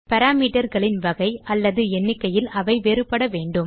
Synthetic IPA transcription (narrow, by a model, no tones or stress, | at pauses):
pɐɾaːmiːʈɐɾɣɐɭɪnʋɐɣɐɪʔɐlːɐðɯɛnːɪkːɐjɪlɐʋɐɪʋeːɾɯpːɐɽɐʋeːɳɖɯm